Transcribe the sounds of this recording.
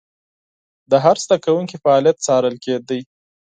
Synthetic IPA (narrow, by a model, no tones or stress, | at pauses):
d̪əɦaɾsd̪akawuŋkifaɑlijat̪̚t͡sɑɾəlked̪əj